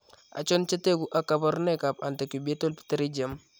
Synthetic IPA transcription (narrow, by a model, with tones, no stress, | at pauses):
a̰˨t͡ʃo˦nt͡ʃa˦te˦ɡu˨ʔa˨ka˨ba˦ɾne˦ka˨pa˨nta˨ki˨be˦to˦lpi̥˦ta˦ɾi˦d͡ʒa˨m